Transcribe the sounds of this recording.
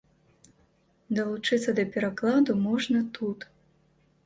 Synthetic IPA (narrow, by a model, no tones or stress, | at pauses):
d̪ɐlˠut͡ʂɨt̪sːɐd̪ɐpʲɛɾaklˠad̪umɔʐnɐt̪ʰut̪